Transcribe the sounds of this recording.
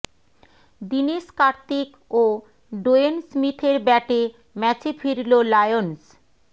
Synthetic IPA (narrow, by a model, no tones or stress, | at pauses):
d̪iniʃkaɾt̪ik | o | ɖoensmit̪ʰeɾbɛʈe | mɛt͡ɕefʰiɾlolajons